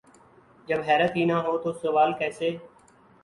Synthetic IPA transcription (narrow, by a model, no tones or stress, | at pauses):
d͡ʒəbɦɛːɾət̪ɦiːnaːɦoːt̪oːsəʋaːlkɛːseː